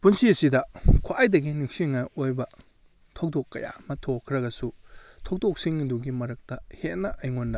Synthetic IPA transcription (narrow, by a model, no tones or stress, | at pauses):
punsiɐsidɐkʰoʔajdɐɡinik̚siŋajojbɐ | tʰow̚dokːɐ̰ja̰mɐtʰokʰɾɐɡɐsutʰok̚dok̚siŋduɡimɐɾɐk̚tɐhet̚nɐʔɐjŋondɐ